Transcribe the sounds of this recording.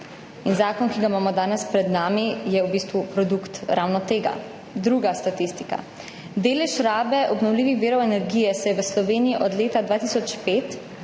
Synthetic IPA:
inzaːkɔnkiɡaimaːmɔd̪aːnɛspɾɛd̪naːmijɛwbiːst̪ʋupɾɔd̪ukt̪ɾʔawnɔt̪eːɡa̰ | d̪ɾuɡast̪at̪ist̪i̥ka̰ | d̪eːlɛʃɾaːbɛʔɔbnɔwliːʋixʋiːɾɔwɛnɛɾɡijɛsɛjɛʋəslɔʋeːnijiʔɔd̪leːt̪ad̪ʋaːt̪isɔt͡ʃpeːt̪

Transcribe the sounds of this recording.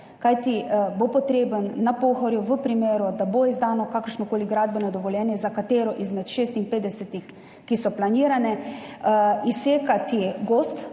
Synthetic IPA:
kajt̪ibopɔt̪ɾeːbənːapɔːxɔɾjuʋəpɾimeːɾud̪aboizd̪aːnɔkaːkəɾʃnɔkoːliɡɾaːd̪̚bɛnɔd̪ɔʋɔljɛːnjɛzakat̪eːɾɔʔizmɛt̪ʃeːst̪impeːd̪ɛsɛt̪ix | kisɔplaniːɾanɛ | iseːkat̪jɛɡoːst̪

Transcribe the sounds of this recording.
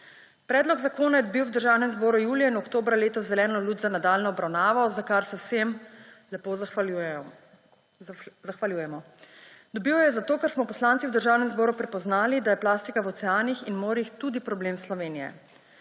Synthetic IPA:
pɾɛːd̪lɔɡzakoːnajɛd̪ɔbiwwd̪əɾʒaːwnɛmzboːɾujuːlijainɔkt̪oːbɾaleːt̪ɔzzɛlɛːnɔluːd̪zanad̪aːlnɔɔbɾawnaːʋawzakaɾsɛwsemlɛpoː | zaxʋaljuːjɛmɔ | d̪ɔbiːwjɛzat̪oːkɛɾsmɔpɔslaːnt̪siwd̪əɾʒaːwnɛmzboːɾupɾɛpɔznaːlid̪ajɛplaːst̪ikawɔt̪sɛaːnixinmoːɾjixt̪ud̪ipɾɔbleːmslɔʋeːnijɛ̰

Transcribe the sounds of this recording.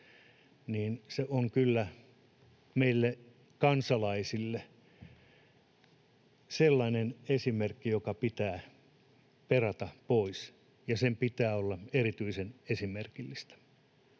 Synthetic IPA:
niːnseoŋkylːæ | meilːe | kɑnsɑlɑisilːe | selːɑinenesimerkːijokɑpit̪æː | perɑt̪ɑpois | jɑsempit̪æːolːɑerit̪yisenesimerkilːist̪æ̥

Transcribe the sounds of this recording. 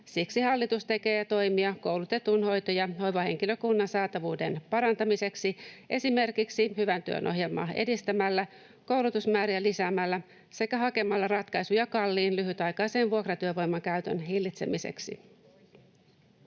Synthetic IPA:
siksihɑlːit̪ust̪e̞ke̞ːt̪o̞jmiɑko̞wlut̪e̞t̪unho̞jt̪ojɑhojʋɑhe̞ŋkilø̞kunːɑnsɑːt̪ɑʋuːdḛnpɑɾɑnt̪ɑmise̞ksiʔe̞sime̞rkiksihyʋænt̪yø̰nʔo̞̰ɦje̞lmɑ̰e̞̰dist̪æmælːæ | ko̞wlut̪usmæːɾiælisæːmælːæ | se̞kæɦɑke̞mɑlːɑrɑt̪kɑjsujɑkɑlːiːnlyɦyt̪ɑjkɑjse̞ːnʋuokrɑt̪yøʋo̞jmɑŋkæyt̪ø̰nɦilːit̪se̞̰mise̞̰ksḭ

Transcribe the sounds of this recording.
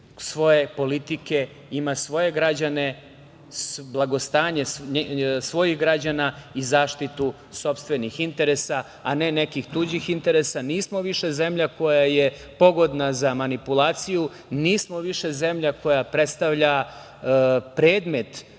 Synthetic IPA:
sʋo̞je̞po̞lit̪ike̞ | imasʋo̞je̞ɡɾad͡ʑane̞ | sblˠaɡo̞st̪aːɲessʋo̞jixɡɾad͡ʑanaizaːʃt̪it̪u | so̞pst̪ʋe̞nixint̪e̞ɾesa | anenekixt̪ud͡ʑixint̪e̞ɾesaniːsmo̞ʋiʃe̞zemʎako̞jaje̞ | po̞ɡo̞d̪nazamanipulˠaːt̪siju | niːsmoʋiʃe̞zemʎako̞japɾet̪st̪aʋʎa | pɾeːd̪me̞t̪

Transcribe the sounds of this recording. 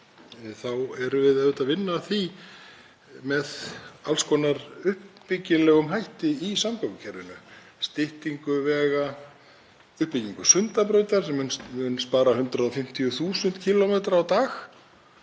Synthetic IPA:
θawɛɾʏvɪðɛʏt̪avɪnːaθi | mɛðalskɔnaɾʏhppicːɪlɛːɣʏmɦajht̪ɪisampœkʏcʰɛɾɪnʏ | st̪ɪht̪iŋkʏvɛːɣa | ʏhpiciŋkʏsʏnt̪apɾœːɥt̪aɾ̥sɛmʏnmʏnspaːɾahʏnt̪ɾaðɔfɪm̥t̪ʰijʏθuːsʏnt̪cʰilɔmeːt̪ɾawt̪aːx

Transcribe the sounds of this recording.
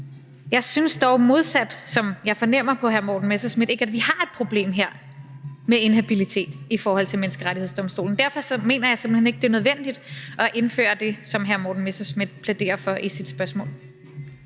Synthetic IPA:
jɑ̈ɪsynsd̥ɒʊmo̝ð̞ˠsæd̥sɒ̽mjɑ̈ɪfɒ̽nem̰ɐpʰɒ̽ɦæɐmɒːd̥n̩mesɐsmid̥e̝ɡ̥ædʋihɑ̈e̝d̥̚pʰʁo̝b̥le̝̰ːmɦeɐ̰ | mee̝nɦæb̥ilit͡sʰe̝̰ːd̥ifɒːhɒ̽l̰t͡sʰe̝lmenəsɡ̥əʁaɾiheð̰ˠsd̥ɒ̽msd̥o̝̰ːln̩d̥æɐfɒ̽sɒ̽me̝̰ːnɐjɑɪse̝mb̥l̩hene̝ɡ̥̚d̥e̝nøð̞ˠʋen̰d̥id̥ɒ̽ʔe̝nfø̰ːɐd̥e̝sɒ̽mɦæɐmɔːd̥n̩mesɐsmid̥pʰled̥e̝̰ːɐfɒ̽ʔisid̥spɶɐsmɔ̰̽ːl

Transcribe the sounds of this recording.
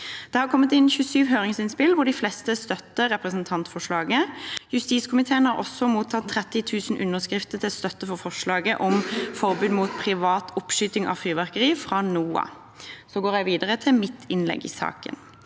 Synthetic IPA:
d̪̥ɛhɑʁkʰɔmːət̪ɪnːçʉsyːʋɦøːʁɪŋsɪnspɪlʋʊʁɖ̪ɪflɛst̪əst̪œt̪ːəʁɛpʁəsnt̪ʰɑnt̪fɔʂlɑːɡəjʉst̪iːt̪skʰʊmɪt̪ʰeːənhɑʁɔ̰sːɔmuːt̪ʰːɑt̪ʰːʁɛt̪ːɪt̪ʰʉːsn̩ʉ̰nːəʁskɾɪft̪ət̪ʰɪlst̪œt̪ːəfɔʁfɔʂɭɑːɡəʔɔmfɔʁbʉːd̪muːt̪pʰʁɪʋɑːt̪ʰʊpʃyːt̪ɪŋʔɑ̰ːfyːʋæʁkəʁiːfʁɑnuːɑ̰ | soːɡoːʁjæʋiːd̪əʁət̪ʰɪlmɪt̪ʰːɪnlɛ̰ɡḭːsɑ̰ːkə̰n

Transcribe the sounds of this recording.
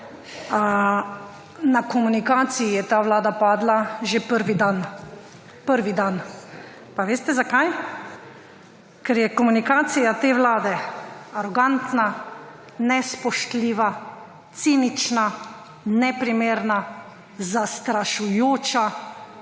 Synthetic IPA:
nakɔmunikaːt̪sijijɛt̪aːʋlaːd̪apaːd̪laʒepəɾʋid̪an | pəɾʋid̪an | paʋeːst̪ɛzakaj | kɛɾjɛkɔmunikaːt̪sijat̪eːʋlaːd̪ɛaɾɔɡant̪na | nɛspɔʃt̪liːʋa | t̪siːnit͡ʃna | nɛpɾimeːɾna | zast̪ɾaʃujoːt͡ʃa

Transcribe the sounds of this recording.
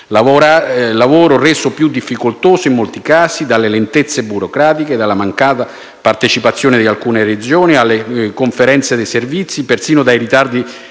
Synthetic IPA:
lavoɾalavoːɾorɛːsopjud̪ːifːikolt̪oːsoimːolt̪ikaːsid̪alːelent̪et̪sːebuɾokɾaːt̪iked̪alːamaŋkaːt̪a | part̪et͡ʃipat̪sːjoːned̪ialkuːnered͡ʒoːnialːekoɱfeɾɛnt̪sed̪ejservit̪sːipersiːnod̪ajrit̪ard̪i

